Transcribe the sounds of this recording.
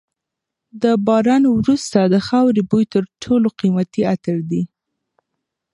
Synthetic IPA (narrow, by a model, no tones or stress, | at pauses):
d̪əbɑɾɑnwɾust̪ad̪əxawɾebujt̪əɾʈʰoloqimat̪iat̪əɾd̪i